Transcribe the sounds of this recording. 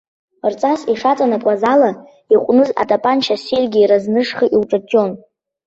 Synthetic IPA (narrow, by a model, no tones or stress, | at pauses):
rt͡sʼasiʂat͡sʼanakʷʼazala | iqʷʼnɨza̰tʼapʼant͡ʃʰaselʲɡʲiːɾaznɨʂχiʔiwʈ͡ʂʼat͡ʃʼo̞n